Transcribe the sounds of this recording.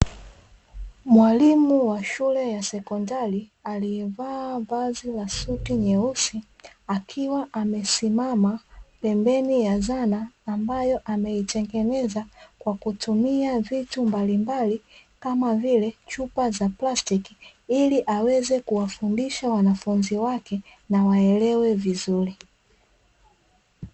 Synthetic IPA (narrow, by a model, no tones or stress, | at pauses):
mwalimuwaʃulɛjasɛkɔndalialiɛvaːvazilasutiɲɛusiakʰiwaʔamɛsimamapɛmbɛnijazanaːmbajɔʔamɛitɛŋɡɛnɛzakwakutumiavitumbalimbalikamavilɛt͡ʃupazaplastiki | iliʔawɛzɛkuwafundiʃawanafunziwakɛ | nawaɛlɛwɛvizuli